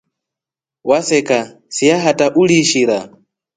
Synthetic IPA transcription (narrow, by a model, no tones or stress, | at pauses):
wasɛkʼa | sijaɦatʼaʔuliʃiɾa